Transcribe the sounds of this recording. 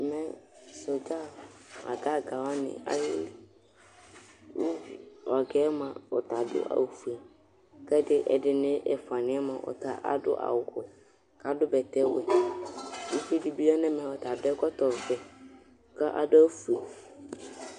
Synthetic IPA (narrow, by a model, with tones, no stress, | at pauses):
mɛ̃˦so˨t͡ʃa˦˨a̰˨ka˦˨ka˨wa˦nɪ̰̃˨a̰˦jɪ˦lɪ˨ | wu˦u˨ɔ˨kɛ˦mã˨ɔ˨ta˨dʊ̰˦ʔa̰˨fu˨i˨ | kɛ˦dɪ˦ʔɛ˨dɪ˨nɪ̃˦ʔɛ˨fa˨nɪ̃˨˦ɛ˦mã˨ʔɔ̰˨tʰa̰˦ʔa̰˨dʊ̰˦ʔa̰˨wʊ˨kʊ˨ | ka˨dʊ˦bɛ˨tʰɛ˦wɛ̰˨ | i˦fi˦di˨bi˦a˦nɛ̃˦mɛ̃˨ɔ˨tʰa˨dɛ˦kɔ˦tɔ˨fɛ˨ | ka˦ʔa̰˨dʊ˦a˦fu˨i˨